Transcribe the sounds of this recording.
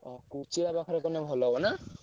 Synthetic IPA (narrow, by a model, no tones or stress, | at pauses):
ɔkut͡ʃiɾabakʰɔɾɔkɔnɔbʱɔlɔbɔna